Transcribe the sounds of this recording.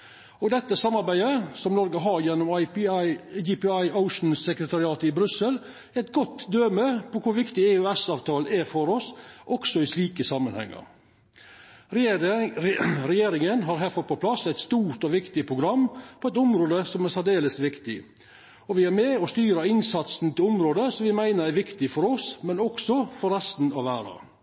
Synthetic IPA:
ɔɡd̪ɛt̪ːəsɑmːɑɾbæɪəsɔmnɔɾɡəɦɑɾjɛnːʊm | jipɑɪəʊʂn̩sɛkɾət̪ʰɑɾɪɑːt̪əɪbɾʉsəl | ɛt̪ɡɔt̪ːd̪øːməpʰɔkʰʊɾʋɪkt̪ɪeʉɛsɑːʋt̪ʰɑːləɛɾfɔɾɔsʔɔksɔɪsʂliːkəsɑmːənhɛ̰ŋːə̰ɾ | ɾɛjeːɾɪŋənɦɑɾɦæɾfɔɾpʰɔpʰlɑsːæɪt̪st̪uːɾʈ̪ɔʋɪkt̪ɪpʰɾʊɡɾɑmːpʰɔɛt̪ʊmɾoːd̪əsɔmæsæɖ̪eːləsʋɪkt̪ɪ̰ | ɔʋɪæɾmeːɔst̪yːɾəɪnsɑt̪snt̪ʰɪlʊmɾoːd̪əsɔmʋɪmæɪnəɾæɾʋɪkt̪ɪfɔɾɔsmɛnɔksɔfɔɾɛst̪n̩ɑʋʋæːɾɑ̰

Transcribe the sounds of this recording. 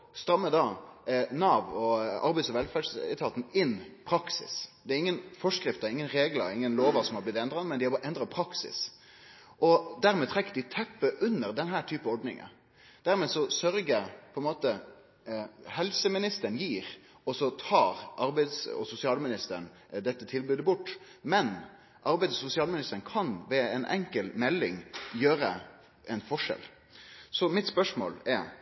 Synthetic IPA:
st̪ɾɑmːəd̪ɑnɑːʋɔɑ̰ɾbɛɪsɔʋɛlfæʂɛ̰t̪ʰɑːt̪n̩ɪnːpʰɾɑksɪ̰sd̪̥ɛæɾɪŋːənfɔʂkɾɪft̪əɪŋːənɾeːɡlɑ̰ɪŋːənloːʋɑsɔmhɑblɪt̪ɛnd̪ɾɑnmɛnd̪ɪhɑbɑʔɛnd̪ɾɑpʰɾɑksɪ̰s | ʔɔd̪æɾmɛt̪ʰɾɛkːəɖ̪ɪt̪ʰɛpːəʔʉnːəɾd̪ɛnɦæːʈ̪ʰyːpəɔɖnɪ̰ŋə̰ | d̪̥æɾmɛːsɔsœɾɡəpʰɔɛnmoːt̪ə | hɛlsəmɪnɪst̪əɳjiːɾ | ɔsɔt̪ʰɑːɾʔɑɾbæɪd̪sɔ̰sʊsɪɑːlmɪnɪst̪əən | d̪ɛt̪ːət̪ʰɪlbʉːd̪əbʊʈː | mɛn | ʔɑɾbɛɪd̪sʊsɪɑːlmɪnɪst̪əɾən̩kʰɑnʋɛɛnʔɛ̰ŋkəlmɛlːɪ̰ŋjøːɾə̰ | ɛnfɔʂɛ̰l | sɔmɪt̪spœʂmo̰ːlɛɾ

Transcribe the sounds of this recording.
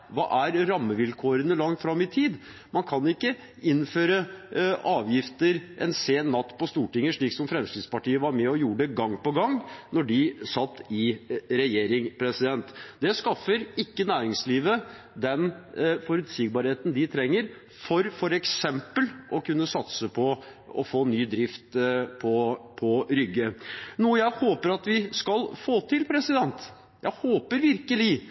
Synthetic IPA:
ʋɑ̰ːʔæɾɾɑmːəʋɪlkʰoːɾənəlɑŋt̪fɾɑmːɪt̪ʰiːd̪ | mɑnkʰɑnɪkːə | ɪnːføːɾəʔɑːʋjɪft̪əɾʔɛ̰nseːnːɑt̪ːpɔst̪uːʈɪŋːəʂɭiːksɔmfɾɛmst̪ɪːd̪spɑʈiːəʋɑɾmɛɔjuːɖəɡɑŋːpɔɡɑŋːnɔɖɪsɑt̪ːɪɾɛjeːɾɪŋpʰɾɛsɪd̪ɛnt̪d̪ɛskɑfəɾɪkːənæːɾɪŋsliːʋə | d̪ɛnfɔɾʉt̪siːɡ̚bɑːɾheːt̪n̩d̪ɪt̪ʰɾɛŋːəɾ | fɔɾfɔɾɛksɛmpəlʔɔkʉnːəsɑt̪səpʰɔ | ɔ̰foːnyːd̪ɾɪft̪pʰɔpʰɔɾʏɡːənuːəjæɪhoːpəɾɑt̪ʋɪskɑlfoːt̪ʰɪlpʰɾɛsɪd̪ɛnt̪ | jæɪhoːpəɾʋɪɾkəlɪ

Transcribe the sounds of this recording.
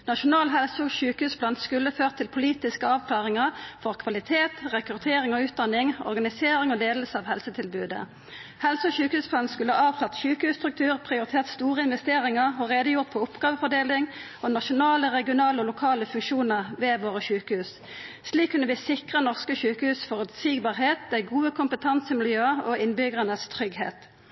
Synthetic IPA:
nɑʃʊnɑːlɦɛlsɔɕʉːkəhʉːspʰlɑnskʉlːəføːʁt̪ʰːɪlpʰʊliːt̪ɪskəɑːʋkʰlɑːʁɪŋəʁfɔʁkʰʋɑlɪt̪ʰeːt̪ʁɛkʁʉt̪ʰeːʁɪŋɔʉːt̪̚d̪ɑnːɪŋɔ̰ʁɡɑnɪseːʁɪŋɔd̪eːləl̩səɑːʋhɛlsət̪ʰɪlbʉːd̪ə̰ | hɛlsɔçʉːkəhʉːsplɑnskʉləhɑːɑːʋkʰlɑt̪ɕʉːkəhʉːst̪ʁʉk̚t̪ʉːʁpʰʁɪʊʁɪt̪ʰeːʁt̪st̪uːʁəɪnʋɛst̪eːʁɪŋəʁɔʁeːd̪əjʊʁt̪fɔʊpɡ̥ɑːʋəfɔd̪eːlɪŋ | ɔnɑʃʊnɑːləʁɛɡɪʊnɑːləɔlʊkʰɑːləfʉŋkʃuːnəʁʋeːʋoːʁəʃʉːkəhʉːs | sliːkʰːʉnːəʋɪsɪkʁənɔʁskəçʉːkəhʉːsfɔʁʉt̪siːɡbɑːʁɦeːt̪̚d̪æɪɡuːəkʰʊmpət̪ʰɑnsəmɪljøːɑɔɪnbʏɡʁənəst̪ʰʁʏɡhḛːt̪

